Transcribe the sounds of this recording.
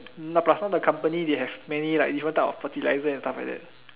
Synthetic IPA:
napɹasnɔ̃dəkʰãmpənideɦɛfmɛ̃nilajk̚difɹə̃ntaɔ̰fətilajzəɛ̃nstafla̰k̚dɛ̰t̚

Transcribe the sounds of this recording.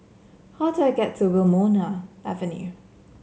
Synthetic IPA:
haʊdəaɪɡɛtʰːəwɪlmɔːnaʊʔæ̰və̃njʉ̰

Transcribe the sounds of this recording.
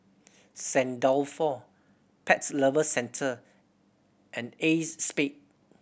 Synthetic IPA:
sɛ̃ndɔlfɔ | pʰɛtsləvəsɛ̃ntʰə | ʔɛ̃nesspet̚

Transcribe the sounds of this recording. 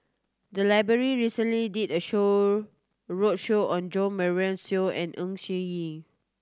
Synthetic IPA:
dəlaɪbɹəɹiɹisə̃nlididəʃo | ɹotʃoɔ̃nd͡ʒɔ̃mɛɹɛ̃nsioɛ̰̃nʔũŋʃĩji

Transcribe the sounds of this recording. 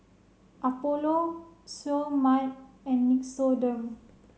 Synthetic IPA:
ʔapolosomat̚ɛ̃nmiksodə̃m

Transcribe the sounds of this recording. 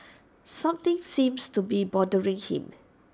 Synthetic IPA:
sãmt̪ɪ̃ŋsĩmstubibɔdəɹɪ̃ŋhḭ̃m

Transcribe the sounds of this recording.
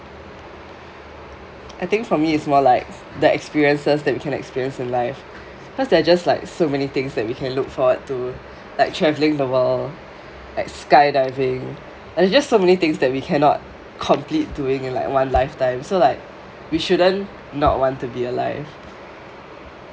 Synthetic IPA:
ʔaɪt̪ɪ̃ŋkfɔmiɪtsmɔlaɪk̚ | dəɛ̰kspiɹiə̃nsəsdɛt̚wikʰɛ̃nɛ̰kspiɹiə̃nsɪ̃nlaɪf | kɔsdɛad͡ʒastlaɪksomɛnit̪ɪ̃ŋsdɛt̚wikʰɛ̃nlʊkfɔwəd̚tu | laɪk̚tʰɹɛvlɪ̃ŋdəwəl | laɪkskaɪdaɪvɪ̃ŋ | dɛad͡ʒastːomɛnit̪ɪ̃ŋsdɛt̚wikʰɛ̃nɔ̰t̚ | kʰɔ̃mplit̚duɪ̃ŋɪ̃nla̰ɪkwãnlaɪftãɪ̃msolaɪk̚ | wiʃuɾə̃nː | ɔ̰t̚wɔ̃ntːubiəla̰ɪv̥

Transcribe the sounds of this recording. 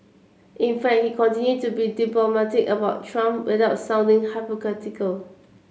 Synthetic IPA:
ʔĩnfɛk̚hikʰɔ̃ntĩnjud̚tubidiplɔmɛtɪkəbaʊttʰɹãmpwɪðaʊtsãʊ̃ndɪ̃ŋhaɪpokɛtɪkəl

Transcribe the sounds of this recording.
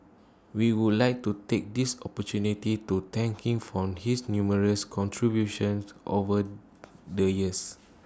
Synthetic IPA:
wiwudlaɪk̚tutek̚disɔpətunititut̪ɛ̃ŋkĩŋfɹɔ̃mhisnjuməɹəskʰɔ̃ntʰɹibjuʃə̃nsʔo̰və | dəjiəs

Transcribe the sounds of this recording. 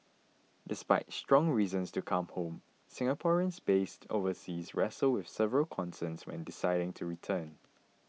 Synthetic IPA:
dɪspaɪtstɹ̥ɔ̃ŋɹiːzə̃nstukʰãmhõm | sɪ̃ŋəpʰɔɹiə̃nsbestʰo̰vəsizɹɛsəlwɪθsɛvəɹəlkʰɔ̃nsə̃nswɛ̰̃ndɪsaɪɾɪ̃ŋtʰuɹitʰə̃n

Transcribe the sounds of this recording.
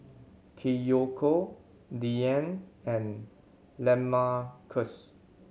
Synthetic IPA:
kʰejokʰo | diɛ̃nɛ̃n | lɛ̃makʰəs

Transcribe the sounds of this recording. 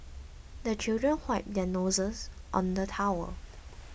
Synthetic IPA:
dət͡ʃildɹə̃nhwaɪp̚dɛnozəsʔɔ̰̃ndətʰawə̰

